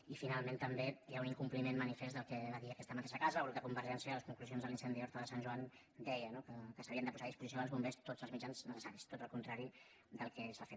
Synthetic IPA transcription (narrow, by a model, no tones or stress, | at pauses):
ifinalˠmẽnt̪əmbejauniŋkumplimenmənifez̬d̪əlˠkɛβaðiəkɛst̪əmət̪eʃəkazəlɣut̪d̪əkumbəɾʒɛnsiəələskuŋkluzjonzðəlinsɛnd̪ioɾt̪oðəsanʒuan | d̪ɛjənokəkəsəβiənd̪əpuzaðispuzis̬ioəlˠzβumbest̪od͡zəlˠzmid͡ʒanznəsəsaɾist̪ot̪əlˠkunt̪ɾaɾi | d̪əlˠkɛsafet̪